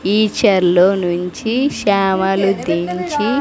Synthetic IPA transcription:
iːt͡ʃɐɾloːnuɲt͡ʃiʃaːmɐlud̪iɲt͡ʃi

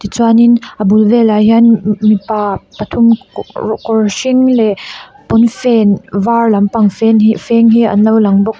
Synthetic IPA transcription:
t̪it͡suaninʔɐbulvɛlajɦanmipapɐt̪ʰum | kɔɹsiŋlɛ | pɔnfɛnvarlɐmpɐŋfɛnifɛŋɦiɐ̰nɐwlɐŋbɔk̚

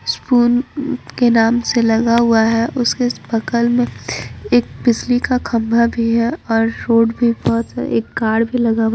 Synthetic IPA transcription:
spuːnkenaːmselɐɡaɦʊaɦɛʔʊskebɐkəlmẽeːk̚bɪslikakʰɐ̃mbʱabʱiɦɛɔːɾːoːɽbʱibɔɦt̪ḛːkːaːɽbʱilɐɡaɦʊ

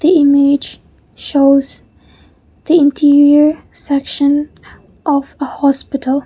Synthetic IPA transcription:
ðiɪmɪ̥d͡ʒ | ʃoːz | ðiɪ̃ntʰiɹiə˞sɛkʃə̃n | ʔɔvəhɔspɪtʰəlˠ

